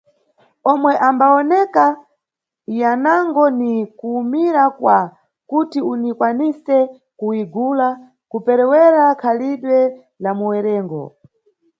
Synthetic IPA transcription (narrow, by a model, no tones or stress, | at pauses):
ɔmwɛʔambaɔnɛka | janaŋɡɔnikuːmiɾakwa | kutiunikwanisɛ | kuiɡuːla | kupɛɾɛwɛɾakʰaliɗwɛ | lamuwɛɾɛːŋɡɔ̰